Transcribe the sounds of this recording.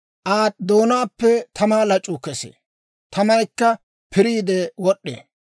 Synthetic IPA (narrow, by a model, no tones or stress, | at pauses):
ʔaːt̪d̪o̞ːnaːpːɛt̪ʰɐmaːlɐt͡ʃʼːʊkɛsḛː | t̪ʰɐmɐjkːɐ | pʰɪɾiːd̪ɛwɔɗːḛ